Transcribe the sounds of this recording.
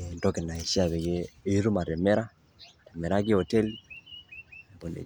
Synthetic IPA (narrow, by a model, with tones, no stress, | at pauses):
ndɔ˦ke˨na˨i˨ʃi˦a˨βɛ˨ɡeː˦i˦ɾu˦ma˨ɾɛ˨mɛ˦ɾa˦˨ | ɾe˨mɛ˨ɾa˦ɡe˦o˨tɛ˦l | mbo˨nḛ˨